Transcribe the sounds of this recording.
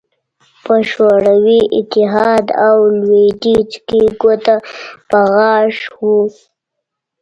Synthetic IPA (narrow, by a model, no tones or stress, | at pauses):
pəʃoɽawiʔɪt̪ɪɦɑd̪awlweɖit͡ʃkiɡot̪apaɣɑʂwu